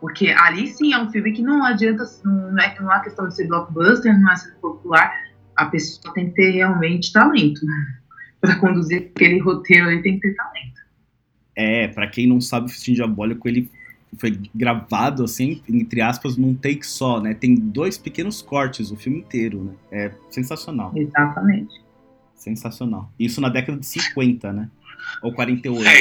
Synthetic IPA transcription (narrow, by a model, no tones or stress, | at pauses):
poɾkʰeʔalisĩɛũfiwmɪkɪnɐ̃w̃ad͡ʒiɐ̃nt̪ɐsnɐ̃w̃nɐ̃w̃ɛkɪnɐ̃w̃ɛkest̪ɐ̃w̃d͡ʒɪseɾblɔk̚bɐst̪eɾnɐ̃w̃ɛsẽd̪ʊpopulaɾ | ɐpesoɐt̪ẽj̃kɪ̥t̪eɾheawmẽnt͡ʃɪ̥t̪alẽnt̪ʊ | pɾɐkõnd̪uziɾakelɪɦot̪eɾʊalit̪ẽj̃kɪ̥t̪eɾt̪alẽnt̪ʊ̥ | ɛpɾɐkẽj̃nɐ̃w̃sabɪʊfi̥st͡ʃĩd͡ʒabɔlɪkʊelɪ | fojɡɾavad̪ʊasĩẽẽt̪ɾɪaspɐznɐ̃w̃t̪ejkɪ̥sɔnɛt̪ẽj̃d̪ojspɪkẽnʊskɔɾt͡ʃɪzʊfiwmɪĩt̪eɾʊnɛɛsẽsasionawezat̪ɐmẽt͡ʃɪ̥ | sẽsasionawisʊnɐd̪ɛkɐd̪ɐd͡ʒɪsĩkwẽnt̪ɐnɛowkwaɾẽnt̪ejoj